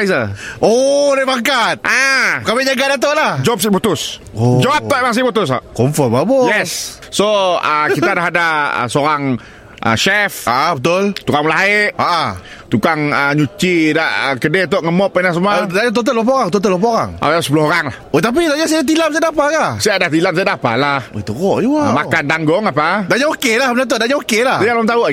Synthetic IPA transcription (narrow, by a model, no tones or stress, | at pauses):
zəodabaŋkat̪̚ʔakamiɲaɡadat̪̬oʔlahd͡ʒɔp̚sit̚but̪ʊs | od͡ʒɔat̪ɔʔmaŋs̬ibut̪ʊs̬a̰ʔkɔmfəmabojɛs | soəkit̪adaɦadaə̰soɾaŋ | ə̰ʃɛfaʔabət̪ʊlt̪ukaŋməlaɦaeʔaʔa | t̪ukaŋəɲut͡ʃidaʔəkədet̪ɔʔŋəmɔpːanasəmuadaɲat̪̬ot̪əlop̬aoɣaŋt̪ɔt̪̬əlopaoɾaŋʔa̰dasəpuloɦoɾaŋlahot̪ap̬idaʔɲasiaat̪ilamsijaʔdapaɡasiaʔdaht̪ilams̬iadapa̰laho̰jt̪əɣɔʔjuamakandaŋɡʊŋapadaʔɲaokelahbənat̪̬ʊʔ̚daʔɲãokelahdəjalamt̪au